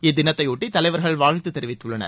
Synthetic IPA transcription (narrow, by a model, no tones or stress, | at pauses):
ɛd̪ɪnɐt̪ːɐɪuːʈːit̪ːɐlɐɪʋɐɾɣɐɭʋaːɻt̪ɯt̪ːɛɾɪʋɪt̪ːɯɭːɐnɐ̰ɾ